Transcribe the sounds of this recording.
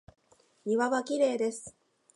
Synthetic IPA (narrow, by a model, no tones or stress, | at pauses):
ɲ̟iβaβakʲiɾe̞ːd̪e̞sɨ̥